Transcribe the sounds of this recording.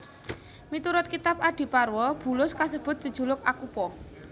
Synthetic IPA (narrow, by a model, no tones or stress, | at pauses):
mit̪uɾʊt̪̚kit̪ap̚aɖ̥i̤parwɔb̥ṳlʊskasəb̥ʊ̤t̪̚səd̥ʒ̥ṳlʊk̚akupɔ